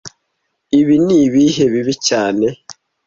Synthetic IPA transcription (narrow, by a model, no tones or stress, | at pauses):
iβiniβiɦeβiβicaːne̞